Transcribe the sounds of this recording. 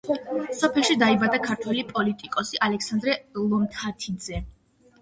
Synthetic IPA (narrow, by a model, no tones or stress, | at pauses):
sɔpʰɛlˠʃid̪aibad̪akʰaɾt̪ʰwɛlipʼɔlit̪ʼikʼɔsiʔalɛksand̪ɾɛlˠɔmt̪ʰat̪ʰid̪zɛ